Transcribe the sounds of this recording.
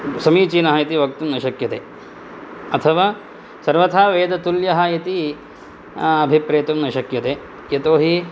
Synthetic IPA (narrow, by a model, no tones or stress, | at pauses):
sɐmiːt͡ʃiːnɐɦɐjɐt̪iʋɐk̚t̪umnɐʃɐkjɐt̪eː | ɐt̪ʰɐʋaː | sɐɾʋɐt̪ʰaːʋeːd̪ɐt̪uljɐɦɐ̆jɐt̪i | ɐbʱipɾɐːɐt̪umnɐʃɐkjɐt̪eː | jɐt̪oːɦi